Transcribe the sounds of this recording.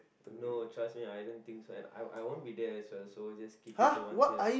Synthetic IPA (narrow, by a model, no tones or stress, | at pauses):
notɹasmiajdə̃nt̪ĩŋksoɛ̰̃na̰jʔa̰jwõnbidɛɛswɛlsod͡ʒaskiphãwɔtaj